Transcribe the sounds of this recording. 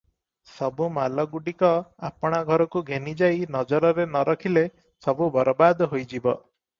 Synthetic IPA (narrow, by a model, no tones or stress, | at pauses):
sɔbumalɔɡuɖikɔapɔɽ̃aɡʱɔɾɔkuɡʱenid͡ʒajnɔd͡ʒɔɾɔɾenɔɾɔkʰile | sɔbubɔɾɔbad̪ɦojd͡ʒibɔ